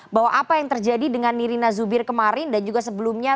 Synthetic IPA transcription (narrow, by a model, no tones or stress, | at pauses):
baɦwaʔapajaŋt̪ərd͡ʒadidəŋanːiɾinazubɪrkəmaɾɪndand͡ʒuɡasəbəlumɲa